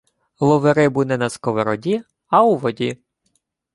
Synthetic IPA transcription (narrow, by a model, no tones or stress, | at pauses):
lˠɔʋeɾɪbunɛnɐskɔʋeɾɔdʲi | ɐuʋɔdʲi